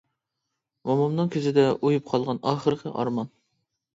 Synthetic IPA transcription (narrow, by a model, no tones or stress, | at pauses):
mɑmɑmnɨŋkʲʰøzɪd̪ɛʔojup̚qʰɑlˠʁɑnɑχəɾəqʰə̰ʔɑ̰ɾmɑn